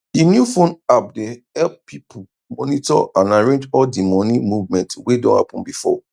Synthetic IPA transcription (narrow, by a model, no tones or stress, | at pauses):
dinjufõnap̚dehɛlp̚pipʰu | mɔnitɔ̰ʔãnaɹẽnd͡ʒɔldimɔ̃nĩmuvmɛ̃ntwedɔ̃nha̰pɔ̃nbifɔ̰